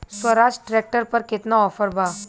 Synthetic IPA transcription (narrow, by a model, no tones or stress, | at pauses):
sʋəɾad͡ʑʈɾek̚ʈəɾpəɾket̪naɔfəɾbʱa